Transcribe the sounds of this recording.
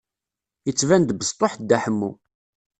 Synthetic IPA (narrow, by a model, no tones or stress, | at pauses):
jət͡sːvænd̪bəst̪ˤːoħd̪æħəmːṵ